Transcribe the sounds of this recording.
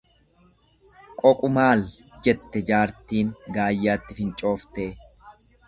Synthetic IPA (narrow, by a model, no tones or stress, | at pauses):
kʼɔkʼʊmaːl | d͡ʒɛt̪ːɛd͡ʒaːɾt̪iːŋɡaːjːaːt̪ːɪfɪnt͡ʃʼo̞ːft̪e̞ː